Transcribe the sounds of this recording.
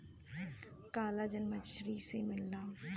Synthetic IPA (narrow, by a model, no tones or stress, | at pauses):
kaːlaːd͡ʒənməʃɾisemɪlnaː